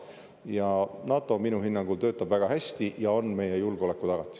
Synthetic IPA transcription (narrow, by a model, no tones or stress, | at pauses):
jɑnɑːt̪ːˑo̞minuɦinːɑŋɡ̥ult̪øːt̪ːˑɑb̥væɡ̥ɑɦæst̪ijɑo̞nme̞jejulɡeo̞le̞kːˑut̪ɑɡ̥ɑt̪ːˑi̥